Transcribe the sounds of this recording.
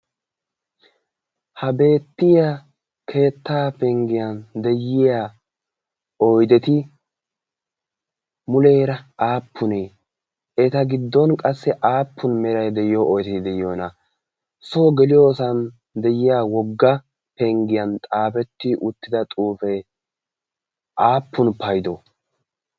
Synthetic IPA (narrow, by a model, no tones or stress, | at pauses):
hɐbe̞ːt̪ːɪja | kʰe̞ːt̪ːaːpɛŋɡɪjɐnd̪ɛjːɪja | ɔjd̪ɛt̪ɪ | mʊleːɾɐaːpʰːʊneː | ɛt̪ɐɡɪd̪ːɔnkʼɐsːɛʔaːpʰːʊnmɛɾɐjd̪ɛjɪjoʔɔjt̪ɛd̪ɛjoːnɐ | soːɡɛlɪjoːsɐn | d̪ɛjɪjaːwɔɡːɐ | pɛŋɡɪjɐnt̪ʼaːpɛt̪ːɪʔʊt̪ːɪd̪ɐt̪ʼuːfɛj | ʔaːpːʊnpɐjd̪o